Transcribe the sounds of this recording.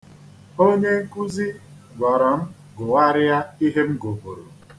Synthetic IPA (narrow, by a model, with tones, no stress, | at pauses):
o˦ɲe˦ŋ̩˦ku˦zi˦ | ɡʷɔ˨ɾɔ˨m̩˦ | ɡʊ˨wa˦ɾɪ˦ja˦i˦ɦe˦m̩˦ɡo˨bo̰˨ɾo̰˨